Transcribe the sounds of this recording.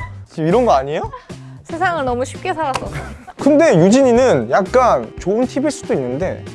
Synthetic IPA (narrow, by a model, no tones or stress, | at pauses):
t͡ɕimiɾʌnɡʌaɲijosʰe̞sʰaŋɯɭnʌmuɕʰi̥p̚k͈e̞sʰaɾasʰʌkɯnde̞jud͡ʑiɲinɯnjak̚k͈ant͡ɕoɯntʰibiɭs͈udoinːɯnde̞̰